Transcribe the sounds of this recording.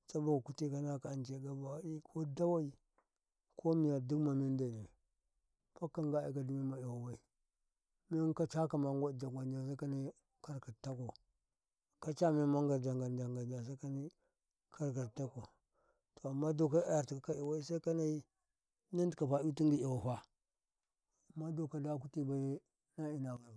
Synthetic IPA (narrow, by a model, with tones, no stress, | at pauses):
t͡ʃa˦ba˨ka˨ku˦ti˦ka˦na˦ka˨nt͡ʃe˨˦ɡa˨ba˨wa˦i˦kʰo˦da˦wa˦i˨ | kʰo˦mi˨ja˨du˦kma˨mi˦n˦da˨ni˨ | pa˦kːa˨ŋɡa˦ḭ˨ka˨di˨˦mi˦ma˨i˨wa˨wa˦i˨ | mi˦ŋ˦ka˦t͡ʃa˦ka˨ma˨ŋ˦ɡʷa˦˨d͡ʒa˨ɡʷa˨n˦d͡ʒa˨s̬a˦ka˦ni˦ | ka˦ɾka˨ta˦ko˨ | ka˦t͡ʃa˦mi˦ma˦ŋ˦ɡa˨ɾd͡ʒa˨ŋɡa˨nd͡ʒa˨ŋɡa˨d͡ʒa˨s̬a˦ka˦ni˦ | kʰa˦ɾka˨ɾta˦ko˨ | to˨a˨mːa˦do˨ka˦a˦ja˨ɾti˨ka˨ka˦i˨wa˦i˦sa˦ka˦na˦i˦ | na˦ndka˨pa˨˦u˦ti˦ŋɡi˦i˨wa˨ɦa˦ | a˨mːa˦do˨ka˨da˦ku˦ti˦ba˨i˦ | na˦i˦na˨ɡa˨